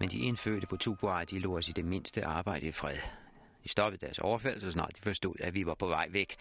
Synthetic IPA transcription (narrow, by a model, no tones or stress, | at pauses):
mend̥iʔe̝nfø̰ɐɾ̥əpʰɒ̽t͡sʰuːb̥uɑd̥ilo̝̰ːɒsid̥e̝me̝n̰sd̥əʔɑ̈ːb̥ɑ̈ɪ̰ɾ̥əifʁɛðˠ | d̥isd̥ɒ̽b̥ð̩ˠd̥æɐsɒʊɐfæl̰̩sɒsnɑ̰d̥ifɒsd̥o̝ð̰ˠæʋiʋɑ̈pʰɒ̽ʋɑ̈ɪ̰ʋeɡ̥